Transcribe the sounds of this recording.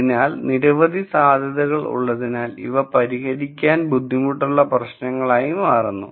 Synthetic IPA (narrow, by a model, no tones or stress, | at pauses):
inaːlniɾɐʋɐd̪ʱisaːd̪ʱjɐðɐɣɐɭṵɭːɐðinaːlḭʋɐpɐɾiɦɐɾikʲːaːnbud̪ʱːimuʈːuɭːɐprɐɕnɐŋːɐɭaːjumaːrɐnːṵ